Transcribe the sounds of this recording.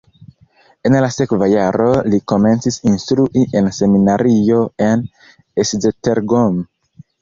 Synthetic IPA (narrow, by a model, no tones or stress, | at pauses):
e̞nlase̞kvajaɾoliko̞me̞nt͡sisinstɾuʔiʔe̞nse̞minaɾio̞e̞n | eszeteɾɡom